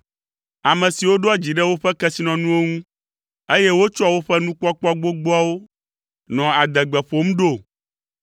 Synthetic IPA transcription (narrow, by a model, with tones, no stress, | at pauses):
a˨mɛ̃˨si˨wo˦ɖo˦a˦d͡ʑi˨ɖɛ˦wo˦ɸɛ˦kɛ˦si˦nɔ̃˨nũ˦wo˦ŋũ˦ | e˦je˦wo˦t͡ʃo˦a˨wo˦ɸɛ˦nũ˦k͡pa˦k͡pɔ˦a˦ɡ͡bo˦ɡ͡bɔ˦a˦wo˦ | nɔ̃˨a˨d̪ɛ˨ɡ͡bɛ˨ɸo˦m̩˦ɖo˦˨